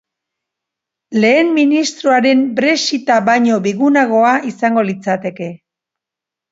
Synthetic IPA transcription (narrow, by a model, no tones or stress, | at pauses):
le̞ːmːinist̪ɾoaɾe̞mbɾe̞sit̪aβaɲo̞biɣunaɣ̞o̞aisaŋɡo̞lit͡sat̪e̞ke̞